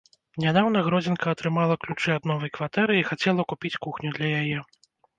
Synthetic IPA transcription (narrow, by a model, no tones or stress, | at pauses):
nʲad̪awnɐɣɾɔd͡zʲɛnkɐɐt̪ɾɨmalˠɐklʲut͡ʂɨad̪̚nɔvɐjkvat̪ɛɾɨixat͡sʲɛlˠɐkupʲit͡sʲkuxnʲud̪lʲɐjajɛ